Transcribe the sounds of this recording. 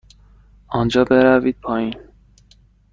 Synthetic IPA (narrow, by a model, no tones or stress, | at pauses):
ɒnd͡ʒɒːbeɾæviːd̪̥̚pʰɒːin